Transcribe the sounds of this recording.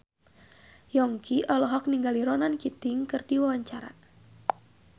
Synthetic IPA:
jɔŋkʰiʔɔlɔɦɔk̚niŋɡaliɾɔnankit̪ɪŋkɨrdiwawaɲt͡ʃaɾa̰

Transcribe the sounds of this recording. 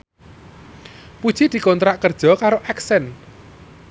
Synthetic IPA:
pud̥ʒ̥id̪̥i̤kont̪ɾaʔkərd̥ʒ̥ɔ̤kaɾoʔɛksɛn

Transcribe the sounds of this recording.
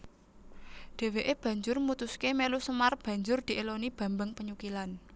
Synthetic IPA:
ɖ̪̥e̤weʔeb̥ä̤ɲd͡ʒʊrmut̪uskemelusəmarb̥ä̤ɲd͡ʒʊrd̪̥i̤ʔelonib̥ä̤mbəŋpəɲukilan

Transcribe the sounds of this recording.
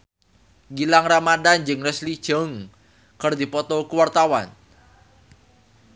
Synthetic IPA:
ɡilaŋramadand͡ʒɨŋrɛslid̥ʒ̥oŋ | kərd̪i̤pɔt̪ɔkuwart̪awan

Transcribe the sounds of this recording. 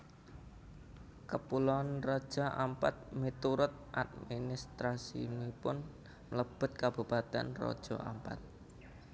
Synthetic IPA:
kəpulɔanrɔd̥ʒ̥a̤ʔampat̪̚mit̪uɾʊt̪̚ʔa̰t̪̚minist̪ɾasḭmipʊn | mələb̥ʊ̤t̪̚kab̥upat̪ɛ̰nrɔ̰d̥ʒ̥ɔa̰mpa̰t̪̚

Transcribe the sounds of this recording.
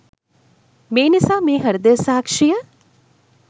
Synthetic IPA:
meːnɪsaːmẽɦɐɾd̪əɾsaːkʃija

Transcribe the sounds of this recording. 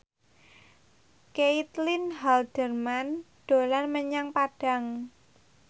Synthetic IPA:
keit̪lɪnɦald̥ərman | d̥o̤lanməɲaŋpad̥a̤ŋ

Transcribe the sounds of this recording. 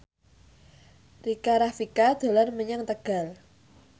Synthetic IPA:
rikaɾafikad̪̥o̤lanməɲaŋt̪əɡ̥a̤l

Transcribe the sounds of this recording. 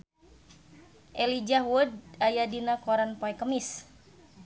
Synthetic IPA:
ʔɛlid͡ʒahwudajadinakɔɾanpɔɛkəmis

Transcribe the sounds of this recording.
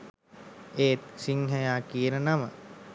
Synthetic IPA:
eːt̪siŋɦɛjaːkijənənamə̰

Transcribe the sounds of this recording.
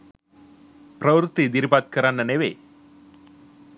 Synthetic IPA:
pɾəʋɾut̪ːid̪iɾbat̪̚kəɾanːəneʋe

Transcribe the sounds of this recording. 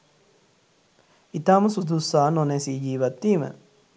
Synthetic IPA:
it̪aːməsud̪usaːnonesiːd͡ʒiːʋat̪ːiːmə̰

